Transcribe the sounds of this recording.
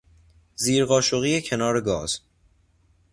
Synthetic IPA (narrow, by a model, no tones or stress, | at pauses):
ziːɾɢɒːʃoɣiːecʰe̞nɒːɾe̞ɡɒːz̥